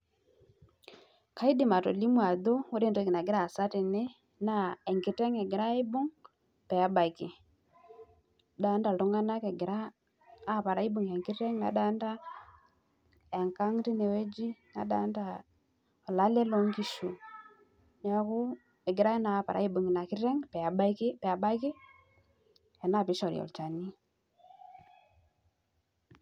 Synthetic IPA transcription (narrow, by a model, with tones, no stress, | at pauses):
ka˦i˦di˨ma˨tɔ̰˨li˦mu˦a˨dɔ˦u˦ɾi˦˨ndki˨na˨ɡi˦ɾa˦˨sa˦ti˨nɛ˦ | na˨ɛ˨ŋɡi˨tɛ˦ŋɛ˨ɡɛ˨ɾa˦i˦bu˦ŋ | pɛ˨a˦ba˨ki˨ | ɗa˨˦nda˨lɔ˨˦ŋɡa˦na˦kɛ˨ɡɛ˨ɾaː˦˨ | pa˨ɾa˨˦i˦bu˨ŋja˨ŋɡi˦tɛ˦ŋna̰˨ɗa˦nda˦ | ja˨ŋka˦ŋti˦ne˨we˦d͡ʒi˦na̰˨˦ɗa˨˦nda˨ | o˨la˨˦le˦lɔ˦ŋki˦˨ʃu˨ | ɲa˦ku˦ | ɛ˨ɡi˨ɾa˦ɛ˦na˨pa̰˨ɾa̰˦i˦bu˨ŋi˨na˨ki˦ɾɛ˦ŋpɛ˨ba˦ki˦pɛ˨a˨ba˦ki˦ | ɛ˨na˦˨pi˦ʃɔ˨ɾḭɔ̰˨lt͡ʃa˨ni˦